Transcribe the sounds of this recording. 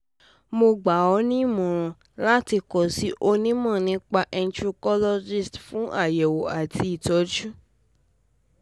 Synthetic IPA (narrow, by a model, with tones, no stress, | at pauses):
mo˧ɡ͡ba˨ɔ˨˧˦nĩ˦˨mɔ̃˨ɾ̃ɔ̃˨ | la˦ti˧kɔ˨si˨˦ʔo˧nĩ˦mɔ̃˦˨nĩ˨˦k͡pa˧ʔɛ˧n̩˦tɾu˧kɔ˦lɔ˦d͡ʒi˦˨stfũ˦ʔa˦˨jɛ˨wo˨a˨tʰi˧˦i˨tɔ˨˦d͡ʒũ˦